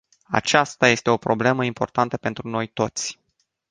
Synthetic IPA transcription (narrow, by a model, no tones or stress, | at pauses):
a̰t͡ʃast̪aje̞st̪e̞o̞pɾo̞ble̞məimpo̞̰rt̪ant̪əpe̞nt̪ɾuno̞jt̪o̞t̪sʲ